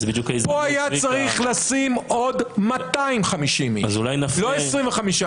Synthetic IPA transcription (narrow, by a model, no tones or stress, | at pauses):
zbid̪jukaizpoajat͡saʁiχlasimo̞d̪mat̪aimχamiʃimiazulajnafloesʁĩmveχamiʃa